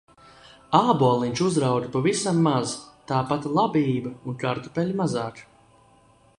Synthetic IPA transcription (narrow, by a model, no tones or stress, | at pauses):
aːbuɔlˠiɲʲt͡ʃuzɾawd̪pavisamːazt̪aːpat̪lˠabiːbɐunkaɾt̪upʲɛlʲmazaːk